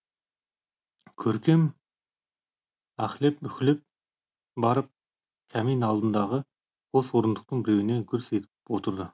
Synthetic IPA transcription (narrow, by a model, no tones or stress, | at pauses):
kʲʰɵɾkʲe̞m | æχlep̚mʏkʲɪlɪp̚ | bɑɾəp̚ | kʲʰæmijnɑlˠd̪ənd̪ɑʁə | qʰo̞swo̞ɾənd̪əq̚t̪əɴbɪɾe̞wɪnekʲʰʏɾse̞t̪ɪɪpwo̞t̪əɾd̪ə